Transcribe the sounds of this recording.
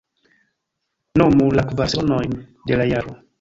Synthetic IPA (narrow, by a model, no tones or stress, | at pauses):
nomulakvasɔnɔjndelajaɾu